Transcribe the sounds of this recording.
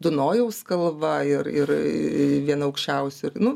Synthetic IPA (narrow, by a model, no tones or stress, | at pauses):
d̪ʊnoːjɛʊskɐlˠʋɐɪɾɪɾʋʲiɛnɐɐʊkʃʲt͡ʃʲɛʊsʲʊɪɾnʊ